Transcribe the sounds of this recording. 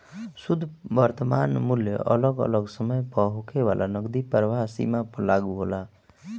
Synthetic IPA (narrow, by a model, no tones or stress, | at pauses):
sud̪ʱbəɾt̪əmanmuljə̰ʔələɡə̰ləɡsəməjpəɦokʰeʋalʔanəɡd̪ipəɾʋaɦsḭmapəlaɡuɦola